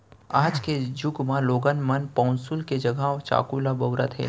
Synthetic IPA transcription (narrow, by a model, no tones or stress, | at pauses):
aːd͡ʒked͡ʒʊɡmãloːɡənmənpɔːnsʊlked͡ʒɐɡaːt͡ʃa̰ːkulabɐʊɾət̪ɦɛ̰ː